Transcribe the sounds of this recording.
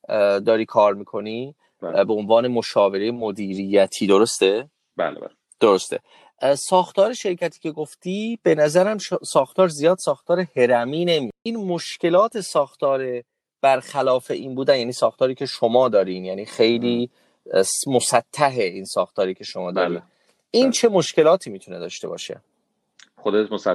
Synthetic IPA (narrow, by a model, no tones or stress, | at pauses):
d̪ɒːɾiːkʰɒːɾmiːkʰo̞ni | beonvɒːne̞mo̞ʃɒːve̞ɾejemod̪iːɾijæt̪ʰiːd̪oɾost̪e | b̰l̰ | d̪̥oɾost̪e̞̰ | sɒːxt̪ɒːɾeʃe̞ɾcʰæt̪ʰiːcʰe̞ɡoft̪iːb̥e̞næzæɾæmʃsɒːxt̪ʰɒːɾzijɒːd̪̥sɒːxt̪ʰɒːɾehe̞ɾæmiːne̞mijiːnmoʃcʰe̞lɒːt̪ʰe̞sɒːxt̪ʰɒːɾe | b̥æɾxælɒːfeʔiːnbuːd̪ænjæːniːsɒːxt̪ɒːɾiːcʰe̞ʃomɒːd̪ɒːɾinjæniːxe̞jliː | smosæt̪ʰːæɦeiːnsɒːxt̪ʰɒːɾiːcʰe̞ʃomɒːd̪ɒ̰ːɾḭ | iːnt͡ʃʰe̞mo̞ʃce̞lɒːt̪ʰiːmiːt̪ʰune̞̰d̪ɒːʃt̪e̞bɒ̰ːʃe̞̰ | xod̪et̪mos